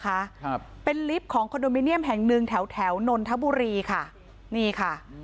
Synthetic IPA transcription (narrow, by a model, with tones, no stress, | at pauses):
kʰa˦˥ʔpe˧nli˦˥p̚kʰɔː˩˦ŋkʰo˧ndoː˧miː˦˥ni˥˩əmɦɛː˨˩ŋnɯ˧ŋt̪ʰɛː˩˦wt̪ʰɛː˩˦wno˧nt̪ʰa˦˥buː˧ɾiː˧kʰa˥˩ | niː˥˩kʰa˥˩